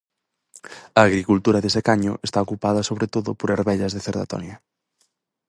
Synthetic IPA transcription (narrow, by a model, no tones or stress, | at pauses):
ɐːɣɾikult̪uɾɐðesekaɲʊ̰ʔest̪aokupaðɐsoβɾet̪oðʊpoɾeɾβɛʎɐzðeθeɾða̰t̪ɔ̰njɐ